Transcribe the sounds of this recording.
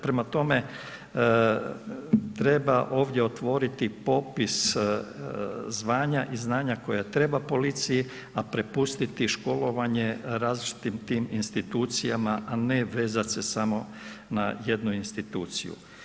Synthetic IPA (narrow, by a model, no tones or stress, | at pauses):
pɾe̞mat̪o̞me̞ | t̪ɾe̞baʔo̞ːʋd̪je̞o̞t̪ʋo̞ɾit̪ipo̞pis | zʋaːɲaʔiznaːɲako̞jat̪ɾe̞bapo̞lit̪siji | apɾe̞pust̪it̪iʃko̞lo̞ʋaɲeɾaːzlit͡ʃi̥t̪imt̪iːminst̪it̪uːt̪sijamaʔaneʋe̞ːzat̪se̞samo̞ | na̰je̞d̪nuinst̪it̪uːt̪sḭjṵ